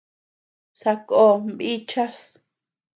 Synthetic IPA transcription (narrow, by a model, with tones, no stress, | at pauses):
sa˧ko˦˨mbi˦t͡ʃa˦s